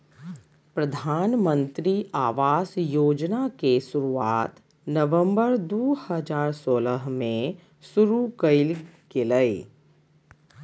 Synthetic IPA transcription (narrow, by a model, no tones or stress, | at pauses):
pɾəd̪ʱaːnmə̃nt̪ɾiaːʋaːsjoːd͡ʒnakesʊɾuaːt̪ | nəʋə̃mbəɾd̪oːhəd͡ʒaːɾsoːləɦmẽ | sʊɾukəɪlkeləe